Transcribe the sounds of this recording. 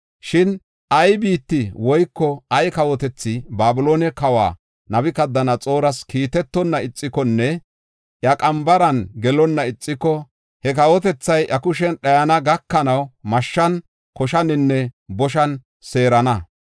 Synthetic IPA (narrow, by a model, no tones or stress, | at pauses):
ʃɪn | ʔɐjbiːt̪ːɪwɔjkːɔɐjkɐwɔt̪ɛt͡sːɪbaːbʊloːnɛkɐwa̰ː | nɐbɪkɐd̪ːɐnɐt͡sʼo̞ːɾɐskiːt̪ɛt̪ːɔnːɐɪt͡sʼːɪkɔnːɛ | ʔjɐkʼɐmbɐɾɐnɡɛlɔnːɐɪt͡sʼːɪkːɔ | hɛkɐwɔt̪ɛt͡sːɐjʔɐkʊʃ̬ɛnɗɐjɐnɐɡɐkːɐnɐwmɐʃːɐn | kɔʃɐnɪnːɛbɔʃ̬ɐn | se̞ːɾɐnɐ